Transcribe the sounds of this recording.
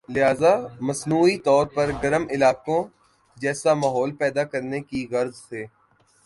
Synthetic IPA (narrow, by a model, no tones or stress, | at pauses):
lɪɦaːzamɐsnuːit̪ɔːɾpɐɾɡɐɾəmɪlaːkõ | d͡ʒɛːsamaːɦɔːlpɛːd̪akɐɾnekiɣɐɾzseː